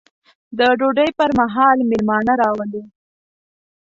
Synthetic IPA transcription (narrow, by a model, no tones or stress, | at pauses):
d̪əɖoɖəjpəɾmaɦɑlmɪlmɑnaɾɑwəli